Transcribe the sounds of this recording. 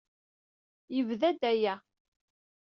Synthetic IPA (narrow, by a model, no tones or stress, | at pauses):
jəvðæd̪æjæ